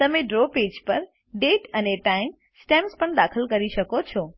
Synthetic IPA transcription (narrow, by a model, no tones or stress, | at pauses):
t̪əmẽɖɾoped͡ʒpəɾ | ɖeʈəneʈaim | sʈɛmspəɳd̪akʰəlkəɾiʃəkot͡ʃʰɔ